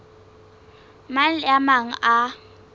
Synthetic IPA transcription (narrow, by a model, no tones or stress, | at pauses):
malɪamaŋ̩a